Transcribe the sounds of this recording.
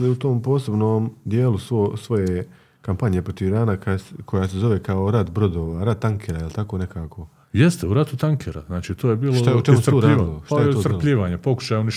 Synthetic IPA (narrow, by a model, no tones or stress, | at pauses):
liut̪o̞ːmpo̞ːse̞bnoːmd̪je̞ːlusʋosʋo̞je | kampaɲje̞pɾo̞t̪iʋɾaːnakakʰojase̞zo̞ʋe̞kaoɾad̪bɾo̞d̪oːʋaɾad̪̚t̪aŋkʰeɾailt̪ako̞ne̞kaːkʰo̞ | jest̪euɾat̪ut̪aŋkʰeɾa̰znaːt͡ʃiːt̪ʰoːjebiːlot̪ajeot͡ʃmusoːɾːiːiloʃtaj̪oɾpʎiːʋaːɲepo̞ku̥ʃajoniʃ